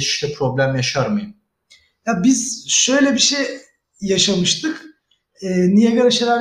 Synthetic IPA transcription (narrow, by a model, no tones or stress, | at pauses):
t͡ʃʰi̥ʃlʲɛpʰɾo̞blʲæmjaʃaɾmɯjɯm | jabiz̥ʃø̞jlʲɛbiʃejː | aʃamɯʃt̪ʰɯk | ɛːnijɛɡaɾaʃaɾaɾ